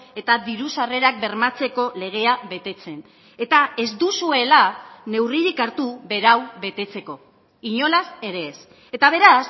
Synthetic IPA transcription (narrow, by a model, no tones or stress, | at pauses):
e̞t̪aðiɾusare̞ɾak̚be̞ɾmat͡se̞ko̞le̞ɣ̞e̞aβe̞t̪e̞t͡se̞n | e̞t̪ae̞zd̪usue̞lane̞wriɾikaɾt̪uβe̞ɾawβe̞t̪e̞t͡se̞ko̞ | iɲo̞lase̞ɾe̞s | e̞t̪aβ̞e̞ɾas